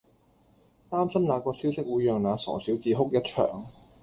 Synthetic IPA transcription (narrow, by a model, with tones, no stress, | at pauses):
t̪aː˥msɐ˥mnaː˨˧kɔː˧siː˥wsɪ˥k̚wuː˨˧jːœː˨ŋnaː˨˧sɔ̰ː˨˩siː˨˥wt͡siː˨˧ɦʊ˥k̚jɐ˥t̚t͡ʃʰœ̰ː˨˩ŋ